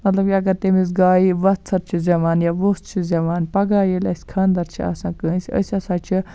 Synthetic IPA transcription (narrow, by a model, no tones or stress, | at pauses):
mɐt̪lɐb̚kʲiɐɡɐɾt̪emis̬ɡaːiʋɐt̪t͡sʰːɐɾt͡ʃʰizʲɐʋaːnjaːʋost͡ʃʰizʲɐʋaːnpɐɡaːjelʲɐsʲkʰɐːnd̪ɐɾt͡ʃʰia̰ːsãːkə̃ːnsʲiə̰sʲɐsaːt͡ʃʰi